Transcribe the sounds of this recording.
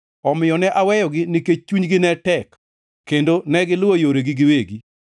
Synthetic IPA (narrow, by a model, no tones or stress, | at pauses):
ɔmɪjɔnɛʔawɛjɔɡɪnɪket͡ʃuɲɡɪnɛtɛk | kːendonɛɡɪlʊojoɾeɡɪɡɪweɡi